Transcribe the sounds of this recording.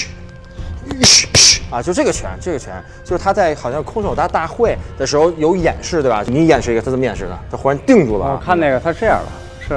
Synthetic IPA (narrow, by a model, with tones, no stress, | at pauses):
ɐ˧˩t͡ɕjʂʈ͡ʂɤ˥˩ɡə˩t͡ɕʰɥɛ̰˧˥nʈ͡ʂɤ˥˩ɡə˩t͡ɕʰɥɛ̰˧˥nt͡ɕjo˥˧ʂɻ̩˧˥t̪ʰa˥t͡sa˥˩ɪxɑ˨˩ʊɕjɑ˥˩ŋkʰʊ˥ŋʂʰo˨˩t̪a˥t̪a˥˧xwe˥˩ɪd̪̥ə˩ʂɻ̩˧˥xo˥˧ʊjo˧˥ʊjɛ̰˨˩nʂɻ̩˥˧we˥˩ba̰˨˩t͡ɕo˥˩ni˧˥jɛ˨˩nʂ̩ɻ̩˥˩˧ə˧t̪ʰt͡sə˨˩m˧jɛ̰˨˩nʂɻ̩˥˩nə̰˩t̪ʰa˥xu˥ɻa˧˥nt̪i˥˧ŋʈ͡ʂu˥˩lə̰˩ɔ˨˩˧kʰa˥˧ne˥˩ɡə˩t̪ʰa˥ʈ͡ʂɤ˥˧jɐ̰˥˩lə̰˩ | ʂɻ̩˥˩